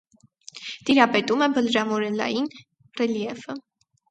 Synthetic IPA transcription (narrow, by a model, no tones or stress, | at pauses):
t̪iɾɑpɛt̪umɛbəlɾɑmɔɾɛlɑ̰jin | rɛliɛvə